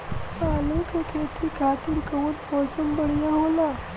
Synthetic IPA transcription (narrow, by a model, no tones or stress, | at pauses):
alokekʰet̪ikʰat̪iɾkəʋuːnpɔsəmbəɽijãɦola